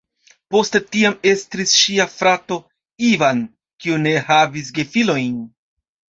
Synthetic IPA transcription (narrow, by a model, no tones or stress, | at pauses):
po̞stetiame̞stɾisʃiafɾato̞ | ivan | kiune̞havis̬ɡe̞filo̞jn